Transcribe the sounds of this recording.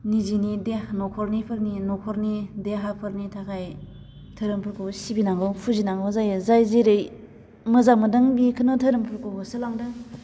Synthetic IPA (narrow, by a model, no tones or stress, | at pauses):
nizinidehnɔkʰɔɾnipʰɯɾninɔkʰɔɾnideɦapʰɯɾnitʰakʰaj | tʰəɾɯmpʰɯɾkʰɯwsibinaŋɡɯwpʰuzinaŋɡɔzajɯzajzeɾɯj | mɯzamɯdɯŋbikʰɯnɯtʰəɾɯmpʰɯɾkoɡɯsɯlaŋdɯ